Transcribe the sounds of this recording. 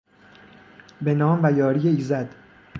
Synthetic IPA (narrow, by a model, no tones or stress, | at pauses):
benɒːmvæjɒːɾijeiːzæd̪